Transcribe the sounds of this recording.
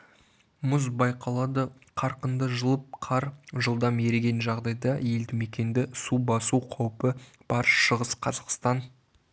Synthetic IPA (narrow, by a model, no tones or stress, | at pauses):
mʊzbɑjqɑlˠɑd̪ə | qʰɑɾqənd̪əʒəlˠəp̚qʰɑɾʒəlˠd̪ɑmeɾɡʲe̞nʒɑʁd̪ɑjd̪ɑje̞ld̪ɪme̞kʲe̞nd̪ɪsubɑsuqʰɑwpə | b̥ɑɾəʃʃəʁəsqʰɑzɑqst̪ɑn